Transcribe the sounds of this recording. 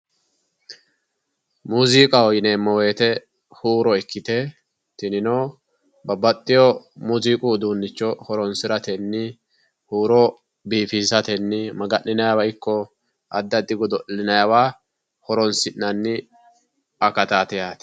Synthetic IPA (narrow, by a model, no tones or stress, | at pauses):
muziːkʼɐwɔjɪnemːɔweːt̪ɛ | huːɾɔɛkːɪt̪ɛ | t̪ɪnɪnoː | bɐbɐt̪ʼːɪjɔmuziːkʼud̪uːnːɪt͡ʃːɔhɔɾɔnsɪɾɐt̪ɛnːɪ | huːɾɔ | biːfiːsɐt̪ɛnːɪmɐɡɐʔːɪnɐjawɐɪkːɔ | ʔɐd̪ːɐd̪ɪɡɔd̪ɔʔlɪnɐjawaː | hɔɾɔnsɪnːɐnːɪ | ɐkɐt̪aːt̪ɛjaːt̪ɛ̥